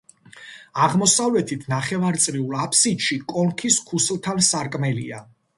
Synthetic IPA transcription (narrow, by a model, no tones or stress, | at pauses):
aʁmɔsavlɛt̪ʰit̪ʰnaχɛvaɾt̪sʼɾiulˠapʰsid̪ʃikʼɔŋkʰiskʰuslˠt̪ʰansaɾkʼmɛlḭa